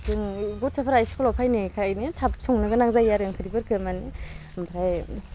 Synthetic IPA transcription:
tɯŋɡɔt̚sʰapʰaɾajsi̥kʰɔlapʰajnikʰajnetʰapsɔŋnɯɡɯnaŋzajaɾɯŋkʰɯɾibɯɾkʰɯmanimbɾaj

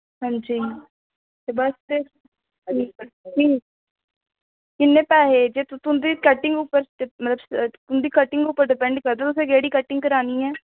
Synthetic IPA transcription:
ɦə̃nd͡ʒiː | t̪eːbəst̪e | d͡ʒiː | kɪnːẽːpɛːɦeːd͡ʒeːt̪t̪ʊnd̪iːkəʈɪ̃ŋɡʊpːəɾemət̪ləbst̪ʊnd̪iːkəʈɪŋɡʊpːəɾɖɪpɛ̃ɳɖkəɾd̪eːt̪ʊsẽːɡɛːɽiːkəʈɪ̃ŋɡkəɾaːniːɛː

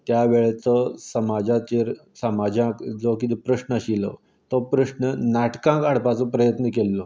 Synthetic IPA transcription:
t̪jaʋeɭet͡səsəmad͡ʑat͡ɕeɾsəmad͡ʑãkd͡zokit̪epɾəɕɳəəɕilo̰ | t̪opɾəɕɳənaʈkãkaɽ̤pat͡sopɾəjət̪nəkelːo

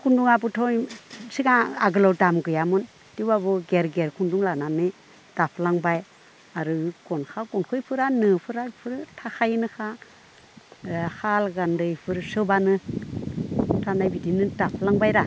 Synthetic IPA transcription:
kʰunduŋabɯtʰɔjsiɡaaɡɯlawdamɡɯjamɯn | tiwabɯɡeɾɡeɾkʰunduŋlananɯ | d̥apʰlaŋbaj | aɾɯɡɔnkʰaɡɔnkʰɯjpʰɯɾanɯpʰɯɾapʰɯɾtʰakʰajnɯkʰa | halɡandɯjpʰɯɾsɯbanɯ | tʰanajbidinɯdapʰlaŋbajɾa

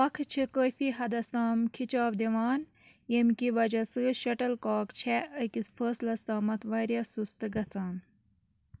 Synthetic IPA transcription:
pɐkʰt͡ʃʰikoːfiɦɐd̪ɐst̪aːmkʰit͡ʃaːʋd̪iʋɑːn | jemkiʋɐd͡ʒɐsɨʃɐʈɐlkaːkt͡ʃʰeʔəkisfəːslɐst̪aːmɐt̪ʰʋɐɾjɐsust̪ɨɡɐt͡sʰaːn

